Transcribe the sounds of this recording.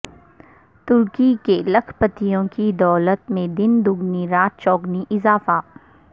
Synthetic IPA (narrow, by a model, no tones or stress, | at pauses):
t̪ʊɾkikelɐkʰpət̪ijõkid̪ɔːlət̪mẽd̪ɪnd̪ʊɡniɾaːt̪̚t͡ʃɔːɡniʔɪzaːfa